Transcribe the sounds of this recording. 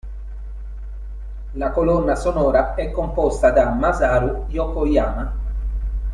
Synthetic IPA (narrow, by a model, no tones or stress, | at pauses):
lakolɔnːasonɔːɾaɛkːompɔst̪ad̪amːazaːɾujɔkojaːma